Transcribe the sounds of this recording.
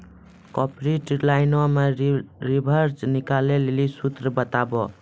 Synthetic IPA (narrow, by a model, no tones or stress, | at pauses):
kɔpɾiʈlajnɔmaɾibʱəɾd͡ʒnikalelelisut̪ɾəbət̪abɔ